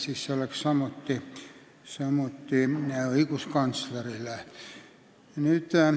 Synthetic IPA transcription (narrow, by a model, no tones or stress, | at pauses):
sisːelːekssɑmot̪ːi | sɑmot̪ːieoikuskɑnslerilæ | nyt̪æ